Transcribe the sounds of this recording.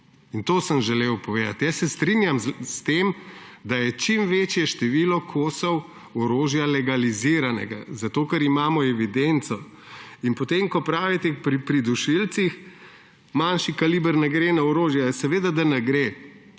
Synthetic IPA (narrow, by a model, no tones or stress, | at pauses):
int̪oːsəmʒɛlewpɔʋeːd̪at̪jasːɛst̪ɾinjamst̪emd̪ajɛt͡ʃimʋeːt͡ʃjɛʃt̪ɛʋiːlɔkʰoːsɔw | ɔɾoːʒjalɛɡaliziɾanɛ̰ɡa̰zat̪oːkɐɾimaːmɔɛʋid̪ent̪sɔ | inpɔt̪emkɔpɾaːʋit̪ɛpɾipɾid̪uʃilt̪six | manʃikaliːbəɾnɛɡɾeːnaɔɾoːʒjasɛʋeːd̪ad̪anɛɡɾeː